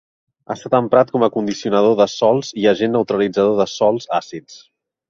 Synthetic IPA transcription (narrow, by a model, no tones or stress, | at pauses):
a̰st̪at̪əmpɾat̪̚kɔməkund̪isiunəðoðəsɔlˠziəʒenːəwt̪ɾəlid͡zəðoðəsɔlˠzasitt͡s